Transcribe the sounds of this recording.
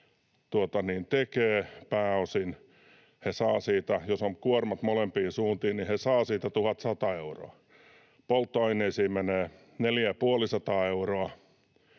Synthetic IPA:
t̪uot̪ɑniːnt̪ekeːpæːosin | hesɑːsiːt̪æjosomkuormɑt̪molempiːsuːnt̪iːnihesɑːsiːt̪æt̪uhɑt̪sɑt̪ɑeuro̰ɑ | polt̪ːoɑineisiːmeneː | neljæpuolisɑt̪ɑːeuroɑ

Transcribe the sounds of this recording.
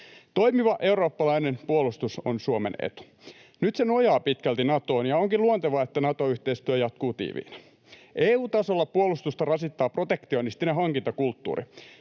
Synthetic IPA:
t̪o̞imiʋɑʔe̞uɾo̞ːpːɑlɑinenpuolust̪uso̰nsuomḛnḛt̪u̥ | nyt̪senojɑːpit̪kælt̪inɑt̪oːnjɑoŋkiluont̪eʋɑet̪ːænɑt̪oyht̪eist̪yæjɑt̪kuːt̪ḭːʋḭːn | ʔeːuːt̪ɑsolːɑpuolust̪ust̪ɑrɑsit̪ːɑːpro̞t̪ekt̪ionist̪ineɦɑŋkint̪ɑkult̪ːṵːɾḭ

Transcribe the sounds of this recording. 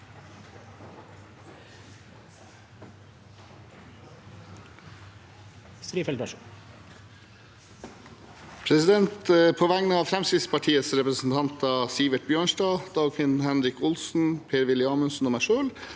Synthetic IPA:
sɾiːfɛlɾɑʃu | pʰɾɛsɪd̪ɛnt̪əpʰoːʋæŋnəɑːfɾɛmsɪspʰɑʈʰiːəsɾɛpɾəsn̩t̪ʰɑnt̪ɑːsiːʋəʈ̚bjøːɳʂdɑːd̪̥ɑːɡkʰʋɪnn̩hænɾɪkʊlsn̩pʰeːɾʋɪlɪɑːmənsn̩oːmæʃøːl

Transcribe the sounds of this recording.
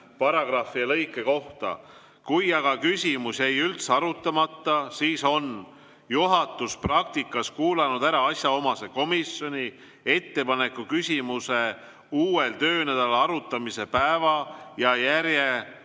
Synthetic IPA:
pɑɾɑɡ̥rɑfːiɑlɤ̞jkːˑe̞ko̞ht̪ɑ̰ | kujɑɡ̥ɑkysʲimusʲe̞jylt̪sɑɾut̪ːˑɑmɑt̪ːɑsiːso̞n | juɦɑt̪ːˑusprɑk̚t̪ikːˑɑskuːlenud̪̥æɾɑɑsʲjɑo̞mɑse̞ko̞misjo̞nʲi | e̞t̪ːe̞pɑne̞kːˑukysʲimuse̞ | uːwe̞lt̪ø̞ːnæd̪ɑlɑɾut̪ːˑɑmise̞pæevɑjɑjæɾrje̞

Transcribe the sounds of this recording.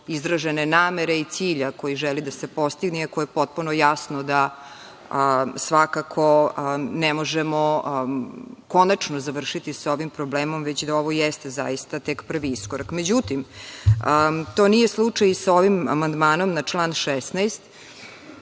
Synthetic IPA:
izɾaʒenenaːmeɾe̞it̪siːʎako̞jiʒɛlid̪asepo̞st̪iɡnɛakojepot̪̚punojasnod̪a | sʋakakʰo̞nemo̞ʒemo | ko̞nat͡ʂnozaʋr̩ʃit̪isaoʋimpɾobleːmo̞mʋet͡ɕd̪ao̞ʋo̞jɛst̪eza̰jist̪at̪ekpr̩ʋiiskoɾakmed͡ʑut̪imət̪oːnijeslˠut͡ʂajsaoʋima̰mand̪maːno̞mnat͡ʂlˠaːnʃɛsnajst̪

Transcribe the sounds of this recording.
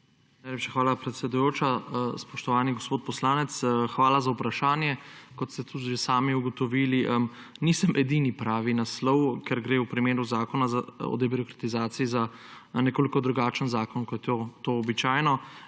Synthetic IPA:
najlepʃaxʋaːlapɾɛt̪sɛd̪ujoːt͡ʃaspɔʃt̪ɔʋaːniɡɔspoːt̪̚pɔslaːnɛt̪sxʋaːlazaupɾaʃaːnjɛkɔt̪st̪ɛt̪ʰuʒesaːmiuɡɔt̪ɔʋiːliʔ | niːsəmʔɛd̪iːnipɾaːʋinaslɔwkɛɾɡɾeːupɾimeːɾuzaːkɔnazaɔ̰d̪ɛbiɾɔkɾat̪izaːt̪siizanɛkoːlikɔd̪ɾuɡaːt͡ʃənzaːkɔnkɔjɛt̪ot̪oːbit͡ʃaːjnɔ

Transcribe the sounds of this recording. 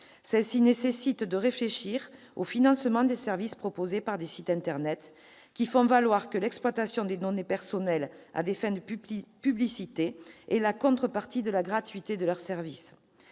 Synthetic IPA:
sɛlsinesesit̪d̪əʁefleʃiʁ | o̰finɑ̃səmɑ̃d̪esɛʁvispχɔpozepaʁd̪esit̪ɛ̃nt̪ɛʁnɛt̪ | kʲifɔ̃valwaʁkəlɛksplwat̪asjɔ̃d̪ed̪ɔnepɛʁsɔnɛla̰d̪efɛ̃d̪əpyblisit̪eːlakɔ̃t̪χəpaʁt̪id̪əlaɡʁat̪ɥit̪ed̪əlœʁsɛʁvis

